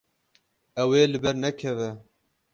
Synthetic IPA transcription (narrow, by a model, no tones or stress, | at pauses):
ɛweːlɨbɛɾnɛkʰɛvɛ